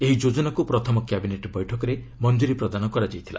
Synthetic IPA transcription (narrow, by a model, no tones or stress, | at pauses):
eɦid͡ʒod͡ʒɔnakupɾɔt̪ʰɔmɔkjabineʈbɔjʈʰɔkɔɾe | mɔnd͡ʒuɾipɾɔd̪anɔkɔɾad͡ʒajt̪ʰilʔa̰